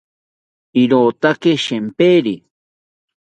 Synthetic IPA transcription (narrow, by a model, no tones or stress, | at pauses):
iɾoːt̪akeʃempeːɾi